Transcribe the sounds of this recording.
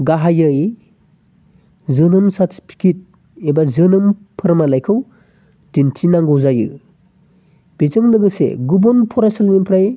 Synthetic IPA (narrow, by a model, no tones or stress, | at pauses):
ɡaɦajɯj | zɯnɯmsatpʰi̥kʰit̚ | ebazɯnɯmpʰɯɾmalajkʰɯw | d̥intʰinaŋɡowzajɯ̰ | b̥ezɯŋlɯɡɯsḛɡubɔnpʰɔɾasalnimpʰɾaj